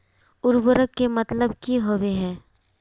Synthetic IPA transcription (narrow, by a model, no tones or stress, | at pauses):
ʊɾbʊɾəkːemɐt̪ləbkiɦoʋeɦɛ̃ː